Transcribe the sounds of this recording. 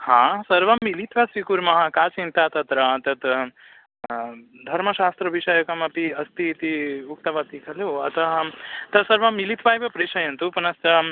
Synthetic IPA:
hãsɐɾʋɐmilit̪ʋɐsikuɾmɐɦɐ̃kaːt͡ʃint̪at̪ɐt̪ɾɐt̪ɐt̪ | d̪ʱɐɾmɐʃaːst̪ɾɐʋiʃɐjɐkɐmɐpiɐst̪it̪iuk̚t̪ɐʋat̪ikʰɐleɐ̰t̪ɐɦt̪ɐsɐɾʋɐmilit̪ʰʋajbɐpɾiʃɐjɐnt̪upɐnɐst̪ɐ

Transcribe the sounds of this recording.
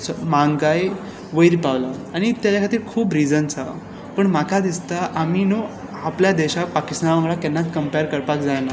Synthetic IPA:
smaŋɡaj | ʋəjɾpaʋlaaɽ̃it̪jat͡ɕakʰat̪iːɾkʰuːbɾid͡zənt͡sa | pəɳmakʰad̪ist̪aʔamiːno | apljad̪eɕapakist̪anʋəŋɡɭakɛnːat͡s̪kəmpajɾkəɾpakd͡zajna

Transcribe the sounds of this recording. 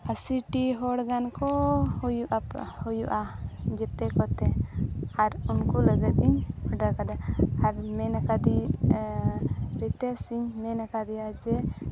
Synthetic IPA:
asiʈiɦɔɽɡankɔhujuʔahujuʔad͡ʒɛt̪ɛkɔt̪ɛaɾunkuləɡɛt̪̚ˀiɲəɖaɾkad̪ɛaɾmɛnakad̪i | ɾit̪ɛsiɲmɛnakad̪ɛjad͡ʒɛ

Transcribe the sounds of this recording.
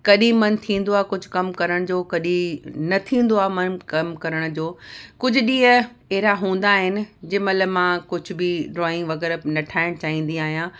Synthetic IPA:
kɐɗĩmɐnt̪ʰĩːn̆d̪oaːkʊd͡ʑʱʊ̥kɐmkɐɾəɽ̃d͡ʑoːkɐɗĩnɐt̪ʰĩːn̆d̪oaːmɐnkɐmkɐɾəɽ̃d͡ʑoːkʊd͡ʑʱʊ̆ɗĩːə | eɦɾaɦũːn̆d̪aːɦɪnɪ̆d͡ʑɪmɐləmãːkʊd͡ʑʱʊ̆bɪɖɾɔːɪ̃ŋɡʋɐɣɛːɾnɐʈʰaːɪɽ̃t͡ɕaːɦĩːnd̪ĩaːɦijã

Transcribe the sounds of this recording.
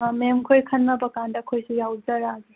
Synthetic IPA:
memkʰojkʰɐnnɐbɐkandɐkʰojsijawzɐɾaɡi

